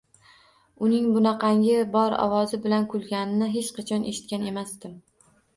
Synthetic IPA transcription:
ʊnɪŋbʊnɑqʰɑŋʲɪbɒɾɒ̰vɒzɪbɪlankʰʊlˠɡʲanɪnɪɦet͡ʃqʰɑt͡ʃʰɒnʔeʃɪ̥t̪̚kʲane̞masd̪ɪm

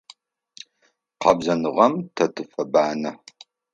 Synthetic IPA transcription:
qɑbzɐnɨʁɐmtʰɐtʰɨfɐbaːnɐ

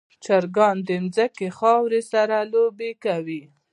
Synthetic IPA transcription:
t͡ʃaɾɡɑnd̪əmzakexɑwɾesaɾalobekawi

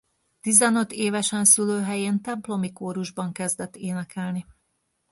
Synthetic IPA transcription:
t̪izɛnø̞t̪ːeːvɛʃɛnsyløːɦɛjeːnt̪ɛmplo̞mikoːɾuʒbɒŋkɛzd̪ɛt̪ːeːnɛkɛlni

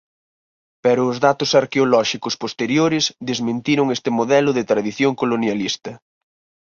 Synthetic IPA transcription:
pɛɾʊːzðat̪ʊsaɾkeolɔʃikʊspost̪eɾjoɾɪsðezmẽnt̪iɾʊŋest̪ɪmoðɛlʊðɪt̪ɾaðiθjoŋkolonjalist̪ɐ

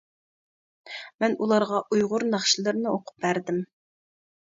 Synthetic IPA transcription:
mɛnulˠɑɾʁɑʔujʁʊɾnɑχʃilˠɨɾnɨoqʰʊ̥p̚bæɾd̪ɪm

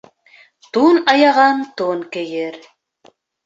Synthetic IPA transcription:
t̪unɑjɑʁɑnt̪unkɘ̆jɘɾ

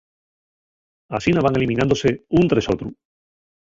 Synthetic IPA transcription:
asinaβaŋelimĩnãnd̪oseunt̪ɾesot̪ɾu

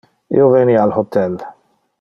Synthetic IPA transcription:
ovɛːniːalħʊt̪ːɛlː

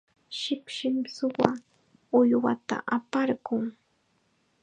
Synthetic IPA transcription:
ʃɪkʃɪmsʊwa | ʊjwat̪a̰ʔapaɾɢʊŋ

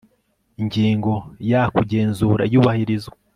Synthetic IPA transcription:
iɲɟiːŋɡo̞jakuɟe̞ːnzuːɾaijuːβahiɾizoa

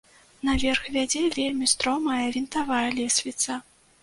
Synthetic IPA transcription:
nɐvʲɛrxvʲad͡zʲɛvʲelʲmʲist̪ɾɔmɐjɐvʲint̪avajɐlʲɛsʲvʲit̪sɐ

